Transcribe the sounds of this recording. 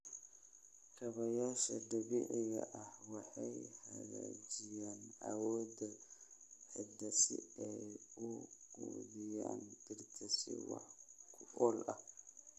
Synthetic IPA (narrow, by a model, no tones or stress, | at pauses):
kʰɐβɐjaːʃɐd̪ɐβiːʕɪɣɐ̰ʔɐhwɑħɑjhɐɣa̰ːd͡ʒɪjaːnʔa̰wɔːd̪ɐ | ħɪd̪ɐsɪ̰ɛʊɡ̥uβɪja̰ːnt̪ɪrt̪ʰɐsɪ̰wɑ̰ħkʰʊɔlʔɐ